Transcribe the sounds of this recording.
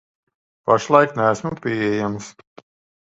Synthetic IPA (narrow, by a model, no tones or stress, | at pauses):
paʃlˠajknæːsmupiɛjams